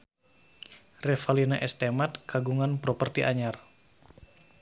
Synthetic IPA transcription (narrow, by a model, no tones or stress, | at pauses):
rɛfalinaʔɛst̪emat̪̚kaɡuŋanpɾopərt̪iʔaɲar